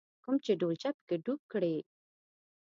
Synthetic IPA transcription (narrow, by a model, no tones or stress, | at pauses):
kumt͡ʃeɖolt͡ʃapə̥keɖuk̚kɽe